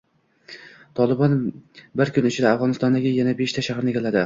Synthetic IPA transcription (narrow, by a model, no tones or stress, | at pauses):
t̪ʰɒlˠɪbɒnbɪɾkʰʲʊnʊt͡ʃʰɪd̪aafʁɒnɪst̪ɒnd̪aɡʲɪjanabeʃt̪ʰaʃahɾnɪɡʲʰalad̪ɪ